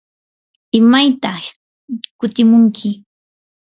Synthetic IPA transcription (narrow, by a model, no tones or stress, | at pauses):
ɪmajt̪ɑ | kʊt̪ɪmʊŋkʰɪ